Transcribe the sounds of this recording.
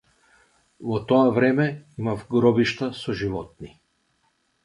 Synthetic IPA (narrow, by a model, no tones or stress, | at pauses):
vɔt̪ɔavɾɛmɛimavɡɾɔbiʃt̪asɔʒivɔt̪̚ni